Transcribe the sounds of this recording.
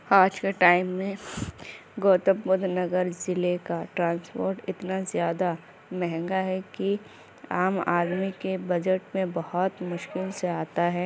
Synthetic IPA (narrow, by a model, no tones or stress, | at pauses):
aːd͡ʒkeʈaːɪmːẽ | ɡoːt̪ə̃mbʊd̪ʱnɐɡəɾzɪlekaʈɾãːnspoːɾʈɪt̪nazjaːd̪a | mɛɦɛ̃ŋɡaɦɛki | aːma̰ːɾmikebɐd͡ʒəʈmẽbɐhɔt̪mʊʃkɪlseaːt̪aɦɛː